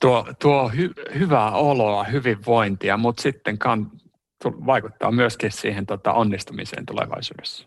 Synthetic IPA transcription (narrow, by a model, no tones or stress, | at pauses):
t̪uot̪uohyhyʋæoloɑhyʋiʋːoint̪iɑmut̪sit̪ːeŋkɑn | t̪uʋɑikut̪ːɑ̰ːmyøskissiːhent̪ot̪ɑ̰ʔonːist̪umḭsḛːnt̪ulḛʋɑ̰isṵːdesːæ̥